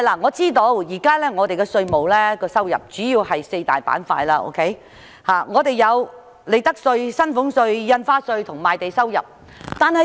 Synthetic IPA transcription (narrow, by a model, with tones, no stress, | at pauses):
hjla˨˩ŋɔː˨˧t͡siː˥t̪o˧wjiː˨˩kaː˥lɛː˥ŋɔː˨˧t̪e˨jkɔ˧sɵ˧ɥmo˨˩wlɛː˥kɔː˧sɐ˥wjɐ̰˨p̚t͡ʃyː˨˥jiː˧whɐ˨jse˧jt̪a̰ː˨jpa̰ː˨˥nfa̰ː˧jlaː˧ʔo̰˥wkʰe˦˥j | haː˨ŋɔː˨˧t̪e˨jjɐ˨˧w | le˨˧jt̪ɐ˥k̚sɵ˧ɥsɐ˥nfʊ˨˥ŋsɵ˧ɥjɐ˧nfaː˥sɵ˧ɥt̪ʰʊ˨˩ŋmaː˨jt̪e˨jsɐ˥wjɐ̰˨˩p̚ | t̪aː˨nhɐ˨